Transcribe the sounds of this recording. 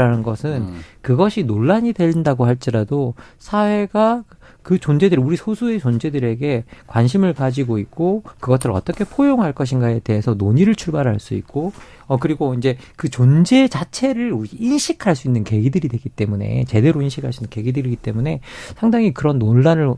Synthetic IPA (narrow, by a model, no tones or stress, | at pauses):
anɯnɡʌsʰɯnkɯɡʌɕʰinoɭːaɲidwe̞ʎːindaɡohaɭt͡ɕ͈iɾado | sʰawe̞ɡa | kɯt͡ɕond͡ʑe̞dɯɾiuɾisʰosʰue̞t͡ɕond͡ʑe̞dɯɾe̞ɡe̞kwanɕʰimɯɭkad͡ʑiɡoik̚k͈okɯɡʌsʰɯɾɭʌt͈ʌkʰe̞pʰojoŋɦaɭk͈ʌɕ̬ʰinɡae̞te̞ɦesʰʌnoɲiɾɯɭt͡ɕʰuɭbaɾɦaɭs͈uḭk̚k͈o | ʌkɯɾiɡoind͡ʑe̞kɯt͡ɕond͡ʑe̞t͡ɕat͡ɕʰe̞ɾɯɭuiinɕʰikʰaɭs͈uinːɯnke̞ɡidɯɾidwe̞ɡit͈e̞mune̞̰t͡ɕe̞de̞ɾoinɕʰikʰaɭs͈uinːɯnŋke̞ɡidɯɾiɡit͈e̞mune̞sʰaŋdaŋikɯɾʌnːoɭːanɯɭ